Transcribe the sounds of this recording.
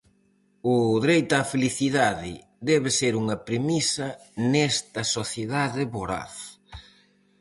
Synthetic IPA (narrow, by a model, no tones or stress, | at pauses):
ʊðɾejt̪afeliθiðaðɪ | d̪ɛβeseɾuŋɐpɾemisɐnɛst̪ɐsoθjeðaðɪβoɾa̰θ